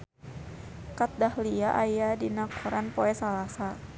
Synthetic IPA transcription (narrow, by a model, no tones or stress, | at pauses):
kat̪̚dahliaʔajadinakʰɔɾanpɔɛsalasa